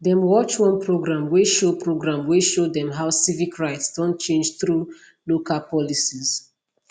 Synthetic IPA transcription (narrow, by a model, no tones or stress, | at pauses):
dɛ̃mwɔt͡ʃwɔ̃npɹoɡɹãmweʃopʰɹoɡɹãmweʃodɛ̃mɦaʊsivikɹaɪtsd̥ɔ̃nt̚t͡ʃẽnd͡ʒθɹu | lokalpɔlisiz̥